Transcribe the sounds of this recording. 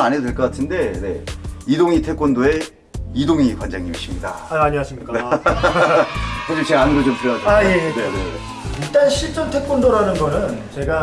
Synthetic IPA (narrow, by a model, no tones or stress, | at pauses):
anedwe̞ɭk͈ʌk͈atʰɯnde̞ne̞̰idoŋitʰe̞k͈̚ondoe̞ | idoŋikwand͡ʑaŋiuɕ͈ʰimɲida̰aɲiwaɕʰiɲik͈ | hod͡ʑimt͡ɕeanɯɡʌt͡ɕompʰiɾjonatʰajenenḛ | iɭt͈anɕʰiɭt͡ɕ͈ʰʌntʰe̞k͈ondoɾanɯnɡʌnɯnt͡ɕe̞ɡa